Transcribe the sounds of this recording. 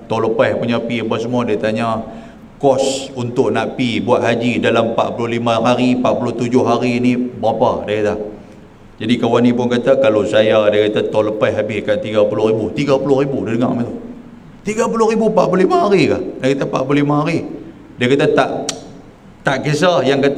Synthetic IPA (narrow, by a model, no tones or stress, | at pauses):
t̪ɔləpahpuɲapiapəs̬əmuadiat̪aɲa | kɔsunt̪ʊʔnaʔpibuaʔ̪ɦad͡ʒidalampa̰ʔpulʊhlimaɦaɾipaʔpulʊht̪ud͡ʒʊhɦaɾinibəapadiakat̪a | d͡ʒadikawanĩpʊnkat̪akalosajadiakat̪at̪ɔləpaɦabɪhkant̪iɡapulʊhribut̪iɡapulʊhribudidəŋaʔmat̪u | t̪iɡapulʊɾibupaʔpulolimaɦaɾikahdakat̪apa̰ʔpulolimaɦaɾi | diakat̪at̪aʔ | t̪aʔkes̬ahjaŋkat̪